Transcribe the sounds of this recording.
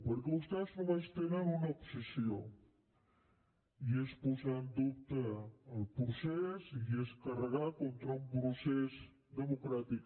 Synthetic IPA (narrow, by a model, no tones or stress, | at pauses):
pəɾkeust̪asnomast̪eneɾunopsisjo | iespusand̪upt̪əːlpɾosesieskɐrəɣakont̪ɾaũmpɾuses | d̪əmokɾat̪ik